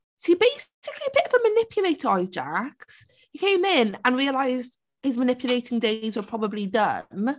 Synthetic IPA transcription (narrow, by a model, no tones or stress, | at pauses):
sɪbeɪs | ɪkʰliəbɪtəvəmənɪpʰjəleɪtəaɪzd͡ʒaks | jəkʰẽɪ̃mɪ̃nə̃nɹiəlaɪzd | hɪzmənɪpʰjəleɪtʰɪ̃ŋdeɪzwə˞pʰɹ̥ɒbəblidʌ̰n